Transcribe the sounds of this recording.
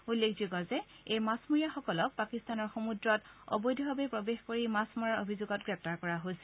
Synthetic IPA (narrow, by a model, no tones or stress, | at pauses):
ulːekʰzuɡɔzɛ | ejmasmuɹijaxɔkɔlɔk̚pakistanɔɹxomudɹɔtɔ̰bɔjdʱibʱabepɹobexkoɹimasmɔɹaɹobʱizuɡɔt̚ɡɹɛp̚taɹkɔɹaɦojs